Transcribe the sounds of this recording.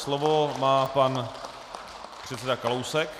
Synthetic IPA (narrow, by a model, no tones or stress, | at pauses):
slovomaːpan | pr̝̥ɛt̪t͡ssɛdakalowsɛk